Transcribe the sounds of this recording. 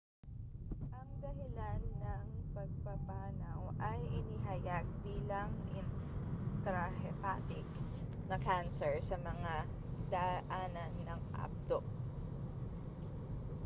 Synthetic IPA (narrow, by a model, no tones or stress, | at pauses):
ʔɐŋd̪ɐɦɪlanːɐŋpɐɡ̚pɐpaːnɐwʔɐjʔɪniɦajaɡ̚biːlɐŋʔɪnt̪ɾahɛpa̰t̪ɪk | nɐkansɛɹsɐmɐŋa | d̪ɐʔaːnɐnːɐŋʔa̰p̚t̪oʔ